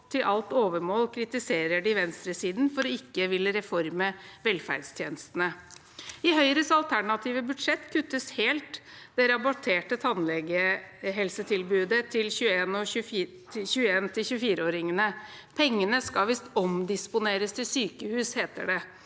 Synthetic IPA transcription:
t̪ʰɪlʔɑlt̪oːʋəɾmoːlkʰɾɪt̪ɪseːɾəɖɪʋɛnst̪ɾəsiːd̪n̩fɔɾɔɪkːəʋɪlːəɾɛfɔɾməʋɛlfæ̰ɖst̪ʰjeːnəst̪ənə | ɪɦœʏɾəsɑlt̪ʰæɳɑt̪ʰiːʋəbʉd̪ʂɛt̪ːkʰʉt̪ːəsheːlt̪d̪ɛɾɑbɔʈʰeːʈət̪ʰɑnlɛɡəɦɛlsət̪ʰɪlbʉːd̪ət̪ʰɪlçʉːəeːnɔʉ | ɪçʉːəeːnt̪ʰɪlçʉːəfiːɾəoːɾɪŋənə | pʰɛŋːənəskɑʋɪst̪ɔmd̪ɪspʊneːɾəst̪ʰɪlsyːkəhʉːsheːt̪ə̰ɖɛ

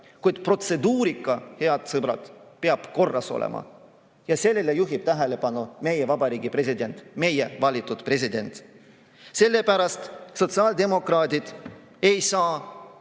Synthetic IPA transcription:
kujd̪̥pro̞t̪se̞d̪uːɾikˑːɑhe̞ɑd̪̥sɤb̥ɾɑ̰d̪̥peɑb̥ko̞rːɑso̞̰lḛmɑ̰ | jɑse̞lːe̞lejuɦib̥̚t̪æɦele̞pɑnume̞jevɑbɑɾiːɡ̥ipre̞s̬ʲid̪e̞nt̪me̞je̞vɑlʲit̪ːˑud̪̥pre̞s̬ʲid̪e̞nt̪ | se̞lːe̞pæɾɑst̪so̞t̪sɑːld̪e̞mo̞krɑːd̪ʲid̪̥ | e̞jsɑː

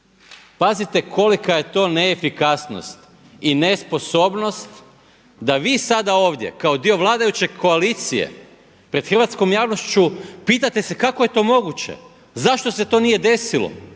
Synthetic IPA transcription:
pazit̪e̞kʰo̞likaje̞t̪o̞ːneːfikasno̰st̪ | inespo̞so̞ːbno̞st̪ | d̪aʋiːsad̪ao̞ːʋd̪je̞̰kao̞d̪io̞ʋlˠaːd̪ajut͡ɕe̞kʰo̞aliːt̪sijḛ | pɾe̞d̪xr̩ʋat̪sko̞mjaːʋno̞st͡ɕupiːt̪at̪e̞sekakoje̞t̪o̞ːmo̞ɡut͡ɕḛ | zaʃt̪o̞se̞t̪o̞ːnije̞d̪e̞silo̰

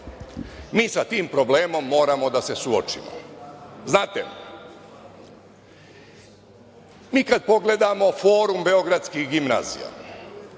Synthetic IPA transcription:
miːsat̪iːmpɾo̞ble̞ːmo̞mːo̞ːɾamo̞d̪ase̞suo̰t͡ʃḭmo̰znaːt̪ḛ | miːkad̪̚po̞ɡle̞d̪amo̞fo̞ːɾumbe̞oɡɾat̪skihɡimna̰ːzḭja̰

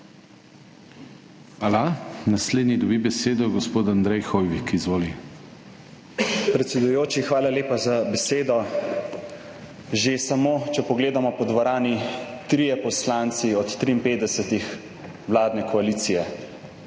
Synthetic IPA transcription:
alanasleːd̪nid̪ɔbibɛseːd̪ɔɡɔspoːt̪and̪ɾɛjxɔjʋikizʋoːli | pɾɛt̪sɛd̪ujoːt͡ʃixʋaːlaleːpazabɛseːd̪ɔ | ʒesamoːt͡ʃɛpɔɡleːd̪amɔpɔd̪ʋaɾaːnit̪ɾiːjɛpɔslaːnt̪siɔt̪ːɾiːmpeːt̪ɛsɛt̪ix | ʋlaːd̪nɛkɔaliːt̪sijɛ

